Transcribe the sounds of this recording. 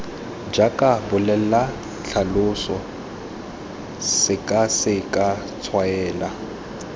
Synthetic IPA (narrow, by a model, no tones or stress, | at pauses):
d͡ʒakʼabʊlɛla | ɬʰalʊsɔ | sɪkʼasɪkʼa | t͡sʰwaɛːla